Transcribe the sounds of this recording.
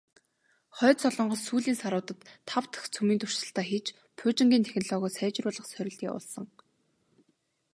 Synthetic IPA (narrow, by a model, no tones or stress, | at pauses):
χœːsɔɮɞ̆ɴɢɞ̆ssuːɮiːnsaɾʊːt̪ə̆t̪ʰːawt̪ə̥̆xt͡sʰumiːnt̪ʊ̥r̥ʃsə̆ɬt̪æːxiːt͡ɕ | pʰʊːt͡ɕɪ̆ŋɡʲiːnt̪ʰexʲnɔɮɔːɣʊːsæːt͡ɕɪ̆rpʊːɮɞ̆χsœɾʲɪ̆ɮt̪iːʊ̰ɮsə̆ŋ